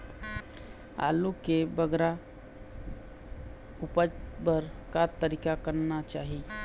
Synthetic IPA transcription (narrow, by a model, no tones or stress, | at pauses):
a̰ːlukebəɡɾa | upəd͡ʒbəɾkat̪əɾikakəɾnat͡ʃaːɦi